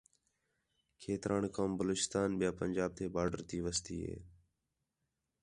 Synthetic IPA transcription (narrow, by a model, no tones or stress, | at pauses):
kʰeːt̪ɾʔaːɳkoːmbəloːt͡ʃɪ̥st̪aːnɓɪjaːpənʲd͡ʒaːb̚t̪ʰeːbaːɖəɾt̪ʰiːʋəst̪iːɦḛː